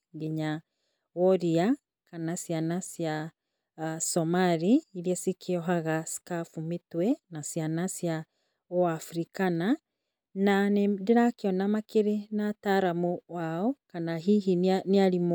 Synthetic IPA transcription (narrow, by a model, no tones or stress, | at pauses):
ɡiɲa | ɔɾia | kanasjanasja | sɔmaɾiːɾiasikʰeɔɦaɣasi̥kafumitwɛnasjanasja | ɔafuɾikana | nanediɾakeɔnamakeɾenataɾamuwaɔkanaɦiɦinneaɾimɔ